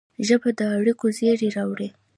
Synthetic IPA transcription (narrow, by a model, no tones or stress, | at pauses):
ʒəbad̪əaɽikozeɾeɾɑwɽe